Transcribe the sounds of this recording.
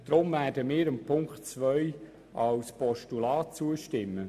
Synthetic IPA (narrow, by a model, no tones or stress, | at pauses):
d̥ɾʊmvæːdəmɪːɾəmpʰʊŋktt͡svœʏ | ʔɑlspɔʃtulaːtt͡suəʃtɪmːə